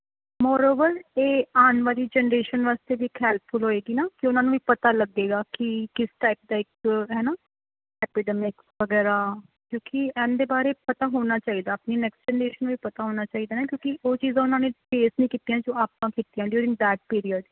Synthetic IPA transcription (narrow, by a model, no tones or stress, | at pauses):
mɔːɾoːʋəɾeːaːnʋaːliːd͡ʒɛːnəɾeːʃənʋaːst̪eːʋiːkʰɛːlt̪̚ʰfʰʊlɦoːeːɡiːnaːkɪʊnãːnũːʋiːpət̪aːləɡeːɡaːkɪkɪsʈ̪aːɪk̚d̪aːɪkɦɛːnaː | ɛːpiɖɛːmɪk | ʋəɡɛːɾaː | kjõːkiɛ̃ːnd̪eːbaːɾeːpət̪aːɦoːnaːt͡ʃaːiːd̪aːpniːnɛːksʈd͡ʒɛːnɾeːʃənːũːʋiːpət̪aːɦoːnaːt͡ʃaːiːd̪aːnaːkjõːkɪʔoːt͡ʃiːzãːʊnãːnẽːpeːsnĩːkiːt̪ijãːd͡ʒoːaːpãːkiːt̪ijãːɖjuːɾɪ̃ŋɡd̪ɛːʈ̚piːɾijəɖ